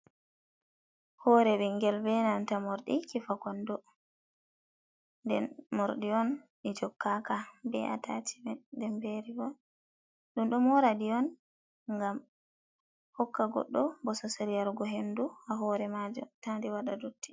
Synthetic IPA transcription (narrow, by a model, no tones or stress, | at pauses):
hɔɾɛbɛŋɡɛlbɛnantamɔɾɗikifakɔndɔ | ndɛnmɔɾɗiɔnɗid͡ʒɔkːakabɛ̰ʔa̰ta̰t͡ʃi̥bɛdɛmbeɾiɡɔ | ɗumɗɔmɔɾadiɔn | ŋɡam | hɔkːaɡɔ̰ɗːɔbɔsɔseɾijaɾɡɔɦenduhaɦɔːɾɛmad͡ʒɔ̰tandɛwaɗadutːi̥